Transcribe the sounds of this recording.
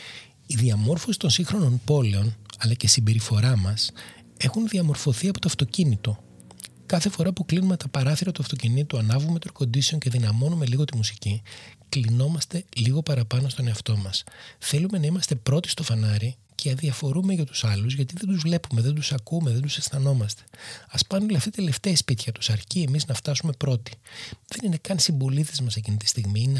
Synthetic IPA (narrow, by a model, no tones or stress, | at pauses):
iðiɐmo̞ɾfo̞si̥t̪o̞nsiŋxɾo̞no̞npo̞le̞o̞nɐlɐcesibe̞ɾifo̞ɾɐmɐs | e̞xunðiɐmo̞ɾfo̞θiɐpo̞t̪oɐft̪o̞cinit̪o̞ | kɐθe̞fo̞ɾɐpuklinume̞t̪ɐpɐɾɐθiɾɐt̪uɐft̪o̞cinit̪uɐnɐvume̞t̪oko̞nd̪iseoɲce̞ðinɐmo̞nume̞liɣo̞t̪imusiciklino̞mɐst̪e̞liɣo̞pɐɾɐpɐno̞st̪o̞ne̞ɐft̪o̞mɐsθe̞lume̞nɐimɐst̪e̞pɾo̞t̪i̥st̪o̞fɐnɐɾi | cʰeɐðiɐfo̞ɾume̞ʝɐt̪u̥sɐluzʝɐt̪iðed̪uzvle̞pumeðend̪usɐkumeðe̞nd̪usesθɐno̞mɐst̪e̥ɐspɐnuleɐft̪it̪e̞left̪eispit̪çɐt̪u̥sɐɾcie̞miznɐft̪ɐsume̞pɾo̞t̪i̥ðe̞nine̞kɐnsimbo̞lit̪ezmɐsecinit̪i̥st̪iɣmiine